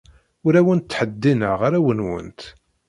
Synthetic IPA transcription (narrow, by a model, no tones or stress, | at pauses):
ʊɾæwənt̪ːħəd̪ːinəʁʁaɾæwənwə̰nt̪